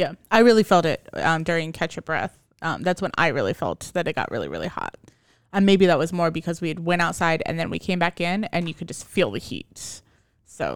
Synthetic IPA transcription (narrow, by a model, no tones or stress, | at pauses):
jæaɪɹɪlˠifɛlˠtɪ̰t̚ʌ̃mdʊɹɪ̃ŋkʰæt͡ʃɨb̥ɹɛ̰θ | ʔʌ̰̃mðætswə̃na̰ɪɹɪ̰lˠḭfɛ̰lˠt̪̚ðɨɾɨt̚ɡ̥ɑ̰ʔɹʔɪ̰lˠḭɹɪ̰lˠḭhɑ̰t̚ | ɨ̃nmeɪbiðət̚wʌzmɔɹbɨkʰʌzwiɨd̚wɛ̃ɾ̃aʊtsaɪɾɨ̰̃nðɨ̃nwḭkʰẽɪ̃mbækɪ̃nɨ̰̃njɨkʰɨd̚d͡ʒʌstfilˠðɨhḭt̚s | soʊ